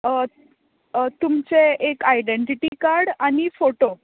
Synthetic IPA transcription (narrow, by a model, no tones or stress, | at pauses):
t̪umt͡seekajɖeɳʈiʈikaɾɽanifoʈo